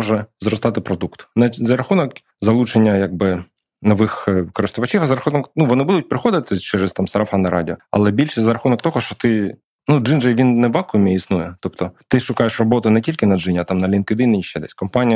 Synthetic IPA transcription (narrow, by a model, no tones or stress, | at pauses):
ɔʒɛzɾɔst̪ɑt̪ɪpɾɔd̪ukt̪nɛzɐɾɐxunɔk | zɐlˠut͡ʃenʲːɐjaɡ̚bɪ | nɔʋɪxkɔɾɪst̪ʊʋɐt͡ʃifɐzɐɾɐxunɔknuʋɔnɪbud̪ʊt̚ʲpɾɪxɔd̪ɪt̪ɪt͡ʃɛɾɛst̪ɑmsɐɾɐfɑnɐɾɑ̰dʲiɔɐ̰lˠɛbʲilʲʃɛzɐɾɐxunɔkt̪ɔɦɔʃt͡ʃɔ̥t̪ɪ | nud͡ʒɨnd͡ʒɐʋʲinːɛʋɑkʊmʲiisnujɛt̪ɔpt̪ɔt̪ɪʃʊkɑjeʃrɔbɔt̪ʊnɛtʲilʲkɪnɐɨnʲɐt̪ɑmnɐlʲinkɪd̪ɪnɪiʃt͡ʃɛd̪ɛsʲkɔmpɑnʲijɐ